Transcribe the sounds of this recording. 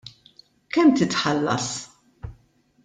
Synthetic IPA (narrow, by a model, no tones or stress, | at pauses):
kɛmt̪ɪt̪ħɐlːɐ̰s